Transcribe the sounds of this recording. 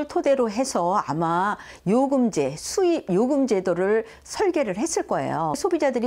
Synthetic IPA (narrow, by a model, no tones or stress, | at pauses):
ɭtʰode̞ɾoɦe̞sʰʌa̰ma | joɡɯmd͡ʑe̞sʰuijoɡɯmd͡ʑe̞doɾɯɭ | sʰʌɭɡje̞ɾɯɭɦe̞s͈ɯɭk͈ʌe̞̰jo̰sʰobid͡ʑadɯɾi